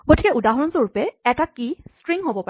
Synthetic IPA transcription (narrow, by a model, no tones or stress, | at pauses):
ɡotʰikɛʔudaɦɔɹɔnzoɹupɛɛtakistɹiŋɦobɔpa